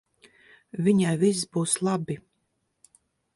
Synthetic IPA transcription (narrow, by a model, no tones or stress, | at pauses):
vʲiɲajvisbuːslˠabi